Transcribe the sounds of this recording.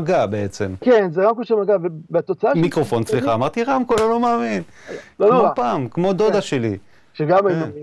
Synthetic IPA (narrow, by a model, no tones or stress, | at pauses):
ɡabe̞et͡se̞mkenzeʁamkoʃemaɡavebeat̪ot͡saamikʁo̞fo̞nt͡sliχaːmaʁt̪iʁamkololomaːmin | omopaːmkmo̞d̪o̞d̪aʃe̞lḭ | ʃeɡamajinoi